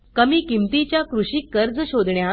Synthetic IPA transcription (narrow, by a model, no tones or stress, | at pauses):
kəmiːkimt̪it͡ɕjakɾuɕiːkːəɾd͡zɕod̪ʱɳja